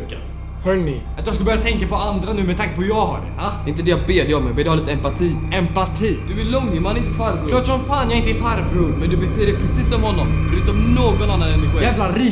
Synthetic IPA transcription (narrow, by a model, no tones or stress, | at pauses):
kːa̰s | hœːɳɪ̰ | at̪jɑskɯləbœɾjat̪ɛŋkapɔand̪ɾanʉ̟ːmɛt̪ʰaŋkapʰɔjɑːɡɦa̰ɖɛ̰ad̪ɛɪnt̪əd̪ɛjabeːd̪ɛɔmːɛbɛɔːlɪt̪əɛmpat̪ʰiːɛmpat̪ʰiːd̪̥ɵvɪlːɔŋːəmanɪnt̪əfaɾbklɑːʈʂɔmfaːnjɑɪnt̪əɪfaɾvɾɵnmɛnd̪ɵbɛt̪ʰeːɾɛpʰɾɛsiːsːɔmhɔnːɔmfœɾʉːt̪ɔmnoːɡɔnanːanɛnːɪɧiɛːvlaɾiː